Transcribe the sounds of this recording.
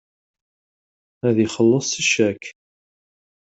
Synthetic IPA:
æðiχəlːəsˤiʃæk

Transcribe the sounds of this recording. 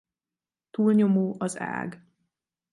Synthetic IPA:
t̪uːlɲo̞moːʔɒza̰ːɡ

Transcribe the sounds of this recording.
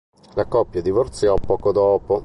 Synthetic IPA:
lakɔpːjad̪ivort̪sjɔpːɔːkod̪ɔːpo

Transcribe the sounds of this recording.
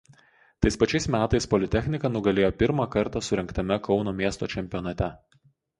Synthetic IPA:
t̪ɐɪspɐt͡ʃʲɛɪsmʲæːt̪ɐɪspɔlʲɪt̪ʲɛxʲnʲɪkɐnʊɡɐlʲeːjoːpʲɪɾmɑːkɐɾt̪ɑsʊɾʲɛŋkt̪ɐmʲɛkɒʊnoːmʲiɛst̪o̰ːt͡ʃʲɛmʲpʲɪjɔnɐt̪ʲɛ

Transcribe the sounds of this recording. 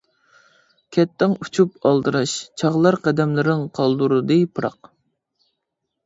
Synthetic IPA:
kʲʰɛt̪ːɪŋut͡ʃʰupɑlˠd̪ɨɾɑʃt͡ʃʰɑʁlˠɑɾqʰɛd̪ɛmlɪɾɪŋqʰɑlˠd̪uɾɨd̪ɨpʰɨɾɑ̰q

